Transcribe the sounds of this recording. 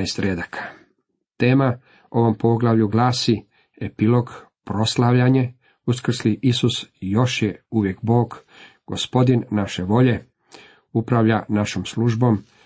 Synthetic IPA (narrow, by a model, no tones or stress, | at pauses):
est̪ɾed̪akʰḁ | t̪e̞ːma | o̞ʋo̞mpo̞ɡlaʋʎuɡlaːsi | epilo̞ɡ | pɾo̞slaʋʎaɲe̞ | uskr̩sliʔisusjo̞ʃjeuʋje̞kbo̞ːɡ | ɡ̥o̞spo̞d̪inːaʃe̞ʋo̞ʎe̞ | upɾaʋʎanaʃomsluʒbo̞m